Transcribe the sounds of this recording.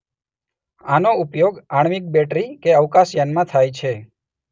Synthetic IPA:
anoupjoɡaɽmik̚bɛʈɾikeəʋkasjanmãt̪ʰajt͡ʃʰe

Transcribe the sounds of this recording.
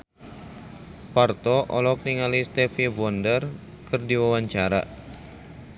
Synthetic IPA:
part̪ɔʔɔlɔkniŋalist̪ɛfibɔndər | kɨrdiwawaɲt͡ʃaɾa̰ʔ

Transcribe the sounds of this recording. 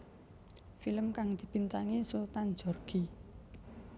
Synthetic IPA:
filəmkaŋd̪̥i̤pint̪aŋesut̪and͡ʒɔ̤rɡ̥i

